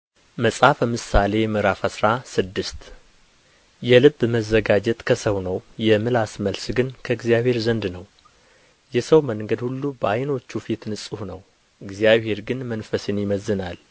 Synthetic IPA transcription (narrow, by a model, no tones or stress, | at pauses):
məsʼafəmɨsale̞jɛmɨɾafasɾasɨd̪ːɨst̪ | jɛlɨbːməzːəɡad͡ʒɛt̪ʼkʰəsəwnəwjɛmɨlasməlsɡɨnkʰəɨɡzijaβhe̞ɾzənd̪nəw | jɛsəwməŋɡəd̪hulːubəajno̞t͡ʃːufit̪nɨsʼɨhnəw | ɨɡzijaβhe̞ɾɡɨnmənfəsɨnjɪməzːɨnal